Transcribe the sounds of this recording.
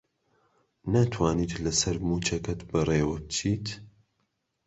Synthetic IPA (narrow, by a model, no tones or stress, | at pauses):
nat̪ʰwaːniːt̪lɐsɐɾmuːt͡ʃɐkɐt̪bɐreːwɐb̚t͡ʃʰiːt̪